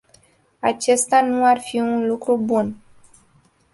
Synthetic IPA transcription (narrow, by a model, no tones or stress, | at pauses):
at͡ʃe̞st̪anuarfiunlukɾubun